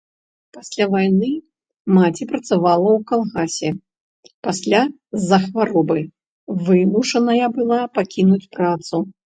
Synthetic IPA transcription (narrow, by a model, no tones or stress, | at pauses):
pasʲlʲavajnɨ | mat͡sʲipɾɐt̪savalˠɐwkalˠɣasʲɛ | pasʲlʲa | zɐxvaɾɔbɨ | vɨmuʂɐnɐjɐbɨlˠapakʲinut͡sʲpɾat̪su